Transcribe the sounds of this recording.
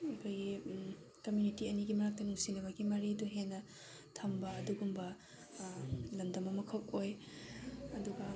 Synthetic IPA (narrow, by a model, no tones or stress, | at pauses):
ɐkʰojɡi | kɐmjunitiɐniɡimɐɾak̚tɐnuŋsinɐbɐɡimɐɾiduɦenːɐ | tʰɐmbɐːduɡumbɐ | lɐndɐmɐmɐkʰɐp̚oj | ɐduɡɐ